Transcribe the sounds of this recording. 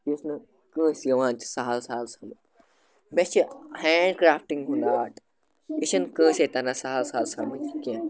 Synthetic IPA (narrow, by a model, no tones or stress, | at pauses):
jisnɨ | kə̃ːsjɐʋãːnt͡ʃsaːalsaːlsɐmɨ | met͡ʃʰihaːɳɖkɾaːfʈiŋɡɦũnd̪aːʈ | iʃɐnkə̃ːset̪ɐnasaɦlsaːlsamɨt͡ʃikẽ